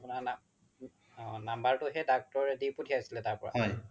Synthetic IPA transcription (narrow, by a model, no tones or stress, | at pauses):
pʊnana | ɔ̃nambaɹtʊɦɛdak̚tɔɹɛdiputʰiasilɛtaɹpɔɹa̰ɔj